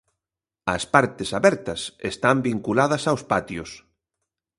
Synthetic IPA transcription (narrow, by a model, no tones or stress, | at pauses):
ɐspaɾt̪esaβɛɾt̪ɐsḛst̪ambiŋkulaðɐsawspat̪jʊs